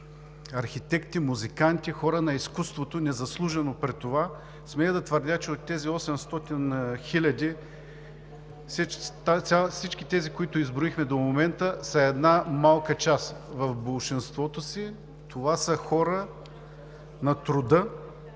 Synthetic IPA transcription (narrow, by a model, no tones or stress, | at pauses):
ɐɾxit̪ɛkt̪imuzikant̪ixɔɾənɐiskust̪vot̪onɛzɐslˠuʒɛnopɾɛt̪ːova | smɛd̪ɐt̪vəɾd̪ʲat͡ʃɛot̪ːɛziɔsɛmst̪ɔt̪inxilʲɐd̪ʲi | st̪aasit͡ʃkit̪ɛzikoit̪ʊizbɾʊixmɛd̪omomɛnt̪əsɐɛd̪namalˠkət͡ʃasvɐfbolˠʃinst̪vɔt̪osi | t̪ʰovasəxɔɾə | nɐt̪ɾʊd̪ɤ